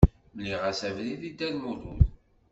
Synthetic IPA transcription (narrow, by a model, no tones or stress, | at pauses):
mliʁæsævliðid̪ælmuluð